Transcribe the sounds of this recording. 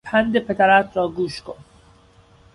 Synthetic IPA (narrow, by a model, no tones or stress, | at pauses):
pʰænd̪epʰet̪ʰæɾæt̪ʰɾɒːɡuːʃkʰon